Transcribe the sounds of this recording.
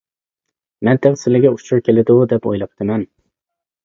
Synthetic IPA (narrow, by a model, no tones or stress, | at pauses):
mɛnt̪ʰɛχsɪlɪɡʲɛut͡ʃʰuɾkʲʰelɪd̪ud̪ɛpo̰jlˠɑp̚t̪ʰɨmɛn